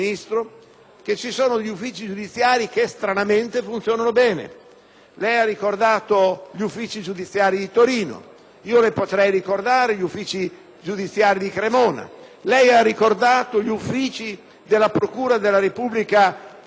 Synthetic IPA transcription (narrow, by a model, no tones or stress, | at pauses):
nist̪ɾo | ket͡ʃːisoːnod̪eʎːufːiːt͡ʃid͡ʒud̪it̪sːjaːɾikest̪ɾanament̪efunt̪sjoːnanobɛːnḛ | lɛjarːikord̪aːt̪oʎiufːiːt͡ʃid͡ʒud̪it̪sːjaːɾid̪it̪oɾiːno̰ | iːolepot̪ɾɛjrikord̪aːɾeʎiufːiːt͡ʃi | d͡ʒud̪it̪sːjaːɾid̪ikɾemɔːna̰lɛjarːikord̪aːt̪oʎufːiːt͡ʃi | d̪elːapɾokuːɾad̪elːaɾepublika